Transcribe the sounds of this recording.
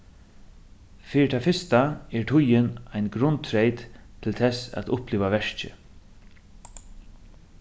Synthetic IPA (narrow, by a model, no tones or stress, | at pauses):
fiːɪt̪ʰafɪst̪aɛɹt̪ʰʊjɪnajnɡɾʊnt̪ʰɾejt̪ʰːɪlt̪ʰɛsa̰t̪ʊhpliːʋaʋɛʂt͡ʃɪ̰